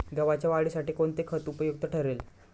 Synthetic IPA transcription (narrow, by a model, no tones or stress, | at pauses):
ɡəʋat͡ɕjaʋaɽisaʈiːkoɳt̪ekʰət̪upəjuk̚t̪əʈʰəɾel